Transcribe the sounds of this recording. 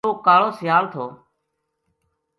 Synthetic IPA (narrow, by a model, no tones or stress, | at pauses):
oːkaːɭoːsɪjaːlt̪ʰoː